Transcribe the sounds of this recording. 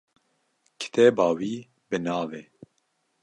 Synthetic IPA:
kʰɨ̥t̪ʰɛbɑːwiː | bɨnɑːveː

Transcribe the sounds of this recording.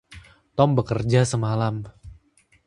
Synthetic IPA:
t̪ɔmbəkərd͡ʒasəmalam

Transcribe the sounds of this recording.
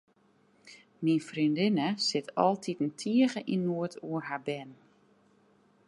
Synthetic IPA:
minfrindɪnəsɪtʰɔ̰lˠtʰitn̩tʰiəɣəʔinːuətʰuərhabɛn

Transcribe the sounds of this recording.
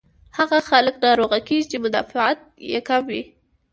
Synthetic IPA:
haɣaxaləknɑɾoɣakeʒit͡ʃemʊd̪ɑ̰fɪat̪̚jḛkamwi

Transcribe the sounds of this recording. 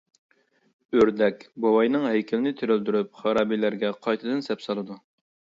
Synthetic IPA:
øɾd̪ɛkʲbɑwɑjnɨŋɦɛjkʲʰɪlɪnɪt̪ʰeɾøld̪yɾyp̚χɑɾɑːbijlæɾɡʲɛqʰɑjt̪ʰɨd̪ɨnsɛpsɑlˠɨd̪u

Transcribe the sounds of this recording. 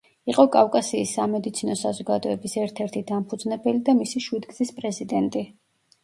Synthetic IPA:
iqʼɔkʼafkʼasiːsːamɛd̪it̪sʰinɔsazɔɡad̪ɔɛbisɛɾt̪ʰɛɾt̪ʰid̪ampʰud̪znɛbɛlid̪amisiʃwid̪ɡzispʼɾɛzid̪ɛnt̪ʼi

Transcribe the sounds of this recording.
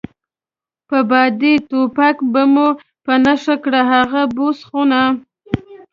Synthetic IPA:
pəbɑd̪it̪opakbamo | pənaʃakɽaɦaɣabosχona

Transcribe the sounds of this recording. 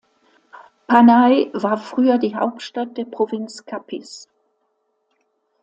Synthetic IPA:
pʰanaɪvaːɐfʁ̥yːɐdiːɦa̰ʊp̚tʃtat̚d̥eːɐpʁ̥ovɪnt͡skʰapʰɪs

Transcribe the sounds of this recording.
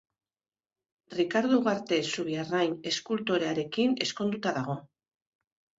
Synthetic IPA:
rikaɾðuɣaɾt̪e̞suβiarajne̞skult̪o̞ɾe̞aɾe̞kine̞sko̞nd̪ut̪aðaɣ̞o̞

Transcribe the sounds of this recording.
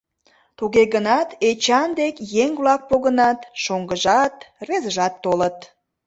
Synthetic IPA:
t̪uɣeɣənɑt̪et͡ɕɑnd̪ekjeŋβlɑk̚poɣənɑt̪ʃoŋɡəʒɑt̪rezəʒɑt̪ːolət̪

